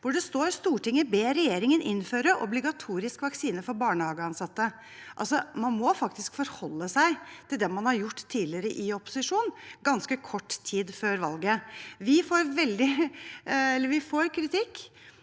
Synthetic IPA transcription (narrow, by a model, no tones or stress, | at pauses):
ʋʊɖɛst̪oːɾst̪uːʈɪŋːəbeːɾɛjeːɾɪŋənʔɪnføːɾəʔɔ̰blɪɡɑt̪ʰuːɾɪskʋɑksiːnəfɔɾbɑːɳəhɑːɡəɑnsɑt̪ːə | ʔɑ̰lsɔmɑnmɔfɑkt̪ɪskfɔɾhɔlːəsæɪt̪ʰɪld̪ɛmɑnhɑɾjʊʈːt̪ʰːiːlɪəɾəʔɪɔpʊ̥sɪʂuːnɡɑnskəkʰɔʈːt̪ʰiːd̪føːɾʋɑ̰lɡəʋɪfoːɾʋɛld̪ɪ | ɛlːəɾʋɪfoːɾkʰɾɪt̪ʰɪkː